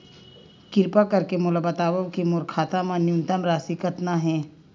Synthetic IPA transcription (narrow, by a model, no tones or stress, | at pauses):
kɪɾpakɐɾkemʊləbət̪aːʋəʋkimoːɾkʰaːt̪amãnjunt̪əmɾaːsikət̪naɦɛ̃ː